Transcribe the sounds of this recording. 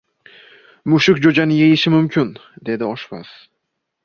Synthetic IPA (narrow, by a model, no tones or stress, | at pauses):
mʊʃɪkʲd͡ʒod͡ʒanɪje̞jɪʃɪmʊmkʲʰʊnd̪e̞d̪ɪɒʃva̰s